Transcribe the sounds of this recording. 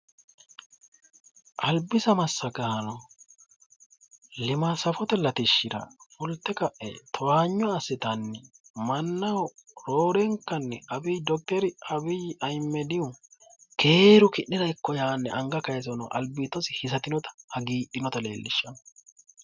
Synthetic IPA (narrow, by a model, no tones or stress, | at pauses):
ʔɐlbɪsɐmɐsːɐɡɐːɐnɐ | lɪmasɐfɔt̪ɛlɐt̪ɪʃːɪd̪ɐ̰fʊlt̪ːɛkɐʔɛ̰t̪ʰɔwaːɲːɔɐsːɪt̪ɐnːɛ | mɐnːɐwɾoːɾɛŋkːɐnːɛʔɐbiːd̪ɔk̚t̪ɛɾɪɐbiːɐjmːɛd̪ɪʊkʰeːɾʊkɪʔːɪdɐɪkːɔjaːnːɛ̰ʔɐŋɡɐkɐjɛzɔnɐ̰ʔɐ̰lbiːt̪ːɔsɪhɪsɐt̪ɪnɔt̪ɐ̥hɐɡiːʔɪnɔt̪ɐle̞̰ːlːɪʃːɐnɔ̥